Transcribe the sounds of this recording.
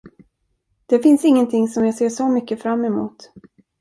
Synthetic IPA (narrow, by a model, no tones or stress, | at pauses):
d̪̥ɛfɪnsɪŋːənt̪ʰɪŋsɔmjɑːɡseːʂɔmʏkːəfɾamːɛmṵːt̪